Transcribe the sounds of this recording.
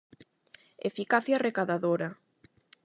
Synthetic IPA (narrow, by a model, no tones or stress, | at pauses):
ḛfikaθjarekaðaðoɾa